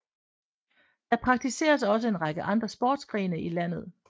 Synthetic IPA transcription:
d̥ɑ̈pʰʁɑ̈ɡ̥̚t͡sʰise̝̰ːɐsɒ̽səe̝nʁɑ̈ɡ̥əʔɑ̈nd̥ʁɐsb̥oːd̥sɡ̥ʁḭːnəilæn̰ð̞̩ˠ

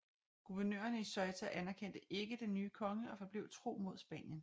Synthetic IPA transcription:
ɡ̥uʋæɐnø̰ːɐnəisɒ̽ɪt͡sʰæʔænæɐkʰen̰d̥əʔe̝ɡ̥əd̥enːyːkʰɒ̽ŋəɒ̽fɒ̽b̥leʊ̰t͡sʰʁo̝̰ːmo̝ð̞̰ˠsb̥ɛ̰ːnjən

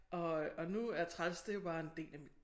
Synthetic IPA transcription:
ʔɒ̽ɒ̽nuæɐt͡sʰʁalsd̥ejob̥ɑ̈ːe̝nd̥e̝̰ːlæm

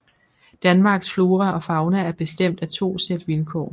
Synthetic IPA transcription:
d̥ænmɑ̈ːɡ̥sflo̝ːʁɐʔɒ̽fɑ̈ʊnææɐb̥e̝sd̥em̰d̥æt͡sʰo̝̰ːsed̥ʋilkʰɒ̰ː

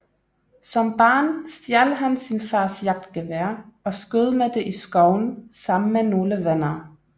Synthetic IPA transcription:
sɒ̽mb̥ɑ̈ːnsd̥jæɐləɦænsinfɑ̈ːsjɑ̈ɡ̥̚d̥ɡ̥æʋæːɐɒ̽sɡ̥øð̞ˠəmed̥e̝ʔisɡ̥ɒʊnsɑ̈m̰n̩meno̝ːləʋenɐː

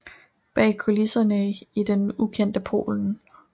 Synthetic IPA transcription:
b̥ɛ̰ːkʰo̝lisɐnəid̥enukʰen̰d̥əpʰo̝̰ːln̩

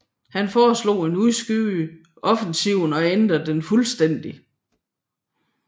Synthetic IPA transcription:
hænfɒːslo̝̰ːe̝nuðˠsɡ̥yː | ʔɒ̽fn̩siʊ̰nɒ̽end̥ʁɐd̥enfulsd̥en̰d̥i

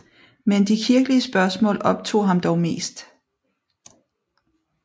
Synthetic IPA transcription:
mend̥ikʰiɐɡ̥əliəsb̥ɶɐsmɔ̰̽ːlɒ̽b̥t͡sʰo̝̰ːɦɑ̈md̥ɒʊme̝̰ːsd̥

